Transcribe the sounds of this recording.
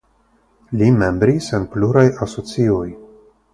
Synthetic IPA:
lime̞mbɾisenpluɾajaso̞t͡sio̞j

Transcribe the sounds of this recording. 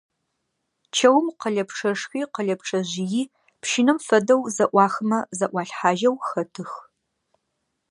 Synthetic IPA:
t͡ʃʰɐwmqəɮɐpʈ͡ʂʰɐʂxiːqəɮɐpʈ͡ʂʰɐʑijiː | pʃɪnɨmfɐdɐwzɐʔʷɑːxɨmɐzɐʔʷɑːɬħaːʒɐwxɐtʰɨx

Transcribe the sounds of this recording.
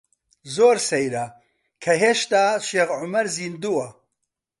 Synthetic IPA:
zoːɾsɐjɾɐ | kʰɐɦeːʃt̪aːʃeːɣʕʊmɐɾziːnd̪uwɐ

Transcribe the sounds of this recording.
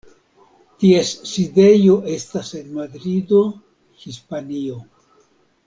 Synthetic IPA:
tiesːide̞jo̞ʔe̞stase̞nmaɡɾido̞ | hispanio̞

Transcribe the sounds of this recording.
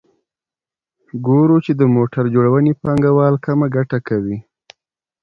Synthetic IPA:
ɡoɾut͡ʃed̪əmoʈaɾd͡ʒoɽawənepɑŋɡawɑlkamaɡaʈakawi

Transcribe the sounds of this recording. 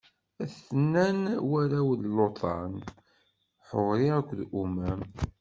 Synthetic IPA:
æθənːænwæɾæwðlot̪ˤɑn | ħoʁɾiækʷːðʔumæm

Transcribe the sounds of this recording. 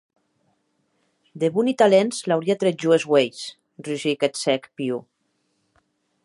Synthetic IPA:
d̪eβunit̪alenzlawɾiat̪ɾeʒuezwejs | riʒiket̪sɛkpiu

